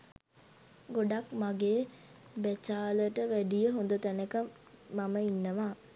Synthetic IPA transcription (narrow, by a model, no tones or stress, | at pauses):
ɡoɖakmaɡeː | bæt͡ʃaːləʈəʋæɖijəɦond̪ət̪ænəkamː | aməinːəʋaː